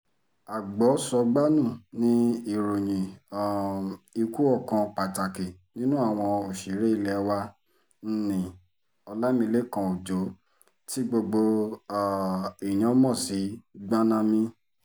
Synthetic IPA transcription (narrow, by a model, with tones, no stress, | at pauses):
a˨ɡ͡bɔ˨˦sɔ˧ɡ͡ba˦nũ˦˨nĩ˦i˦˨ɾo˨ɲ̃ĩ˨ | i˧ku˦ɔ˦˨kã˧k͡pa˨ta˨ki˨ | nĩ˦nũ˦a˦˨w̃ɔ̃˧o˨ʃi˨˦ɾe˦i˧lɛ˧wa˧˦ | n̩˦nĩ˨ | ɔ˧la˦mĩ˧le˦˨kã˧o˨d͡ʒo˨˦ | ti˦ɡ͡bo˧ɡ͡bo˧˨ | i˨j̃ã˨˦mɔ̃˦˨si˨˦ɡ͡bã˦nã˧mĩ˧